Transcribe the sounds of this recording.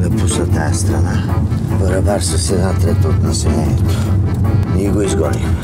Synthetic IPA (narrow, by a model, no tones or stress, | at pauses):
d̪ɐpusət̪ajəst̪ɾɐna | bəɾɐbaɾsəsɛzat̪ɾɛt̪ot̪nɐsɛlɛniɛt̪o̥ | iiɡoizɡɔli